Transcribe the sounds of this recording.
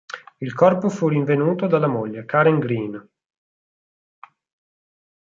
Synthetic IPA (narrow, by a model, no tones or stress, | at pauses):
ilkɔrpofuriɱvenuːt̪od̪alːamoʎːekaɾeŋɡɾin